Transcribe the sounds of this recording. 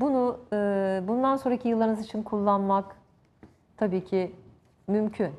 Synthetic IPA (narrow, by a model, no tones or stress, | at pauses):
bunuɯbund̪anso̞nɾacʰijɯlˠːaɾɯnɯzit͡ʃʰinkʰulˠːanmak | t̪ʰabiːcʰi | mymcʰyn